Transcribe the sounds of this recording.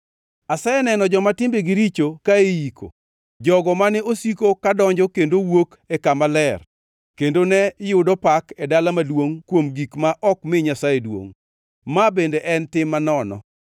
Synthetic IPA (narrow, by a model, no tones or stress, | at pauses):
asaenɛnɔd͡ʒɔmatɪmbeɡiɾit͡ʃokaejikʰo̰ | d͡ʒɔɡɔmanɛosikokadɔɲd͡ʒɔkendowok | ɛkamalɛr | kendonɛjʊdɔpakɛdalamalwoŋkwomɡikmaʔɔkmɪɲasajedwo̰ŋ | mabendeʔɛntɪmːanɔnɔ̰